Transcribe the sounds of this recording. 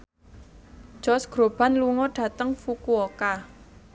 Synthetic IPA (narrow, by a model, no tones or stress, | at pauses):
d̥ʒ̥ɔsɡ̥ɾob̥a̤nluŋɔɖ̥ä̤t̪əŋfukuoka